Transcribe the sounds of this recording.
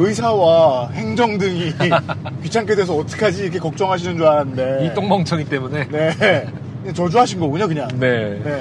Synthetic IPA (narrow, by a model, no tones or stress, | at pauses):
ɯisʰawahe̞ŋd͡ʑʌŋdɯŋi | kɥit͡ɕʰaŋkʰedes̬ʰʌːt͈ʌ̥kʰad͡ʑiːɾkʰe̞kʌk̚t͡ɕ͈ʌŋɦaɕʰinɯnd͡ʑoaɾande̞it͈oŋbʌŋt͡ɕʰʌŋit͈e̞mune̞ne̞ | kɯɲat͡ɕʌd͡ʑuɦaɕʰinɡʌboɲʌkɯɲaŋne̞ne̞